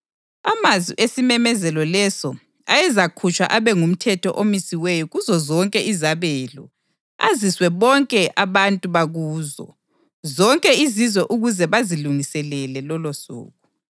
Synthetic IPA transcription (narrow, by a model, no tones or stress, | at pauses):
amaziʔesimɛmɛzɛlɔlɛsɔ | ajɛzakʰut͡ʃʼwa̰ʔaβɛŋum̩tʰɛtʰɔʔomisiwejɔɣuzɔzɔŋkʼɛʔizaβɛlṵ | a̰ziswɛβɔŋkʼɛʔaβantʼuβaɣuːzɔ̰ | zɔŋkʼɛizizwɛʔuɣuzɛβaziluŋisɛlɛlɛlɔlosṵːɣu